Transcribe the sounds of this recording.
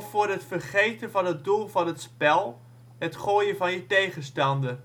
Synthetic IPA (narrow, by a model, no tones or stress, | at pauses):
fʊːrɦətfərχejtənvɑnɦət̚dulˠvɑnɦətspɛlˠ | ɦətχoːjəvɑnjətejχənstɑndə